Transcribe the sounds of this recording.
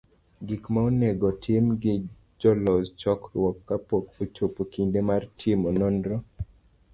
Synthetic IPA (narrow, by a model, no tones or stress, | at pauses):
ɡikmaoneɡɔtʰɪmɡɪ | d͡ʒɔlɔzt͡ʃɔkrwɔkːapɔkot͡ʃopokindemartʰimonondɾɔ